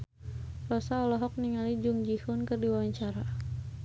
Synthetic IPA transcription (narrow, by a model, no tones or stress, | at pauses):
rɔsaɔlɔɦɔk̚niŋalid͡ʒuŋd͡ʒihʊnkɨrdiwawaɲt͡ʃaɾa